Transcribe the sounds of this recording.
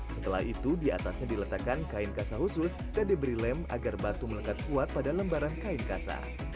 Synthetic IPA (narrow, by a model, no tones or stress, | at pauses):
sət̪əla̰hit̪udiat̪asɲadilət̪akankainkasaɦusʊs | dadibəɾilɛma̰ɡarbat̪umələkat̪̚kuat̪̚padaləmbaɾankainkasa̰